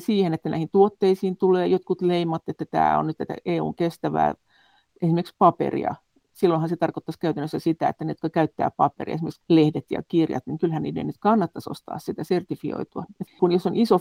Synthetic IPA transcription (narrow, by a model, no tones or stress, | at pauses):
siːhenet̪ːænæ̰ihint̪uot̪ːeisiːnt̪uleːjot̪kut̪leimɑt̪ːet̪ːæt̪æ̰ːo̰nnyt̪t̪æt̪æ̰ʔeːṵːŋkest̪æʋæ̰ː | ʔesimerikspɑpḛrḭɑ̰ | silːoihɑnset̪ɑrkot̪ːɑskæyt̪ænːøsːæsit̪æḛt̪ːænet̪yt̪køkæyt̪ːæ̰ːpɑpḛrḭɑ̰esimekslehdet̪jɑ̰kirjɑ̰t̪niŋkylhænnḭːdḛnyt̪kɑnːɑt̪ːɑso̰st̪ɑ̰ːssit̪æsert̪ifio̰it̪uɑet̪kunjosːoniso